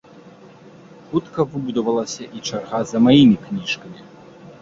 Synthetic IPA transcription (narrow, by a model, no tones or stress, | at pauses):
xut̪kɐvɨbud̪ɐvɐlˠɐsʲɐʔit͡ʂarɣazɐmajimʲiknʲiʂkɐmʲi